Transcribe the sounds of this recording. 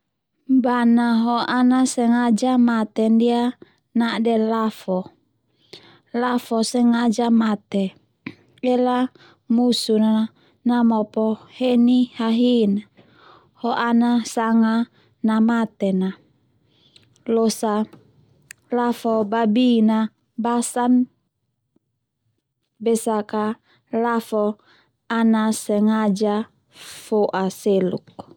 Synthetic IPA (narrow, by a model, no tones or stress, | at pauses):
banaɦɔanasɛŋad͡ʒamat̪ɛndia | nadɛlafɔ | lafɔsɛŋad͡ʒamat̪ɛ | ɛla | musuna | namɔpɔhɛnihaɦina | hɔʔanasaŋa | namat̪ɛna | losa | lafɔbabina | basan | bɛsaka | lafɔ | anasɛŋad͡ʒa | foʔaseluk̚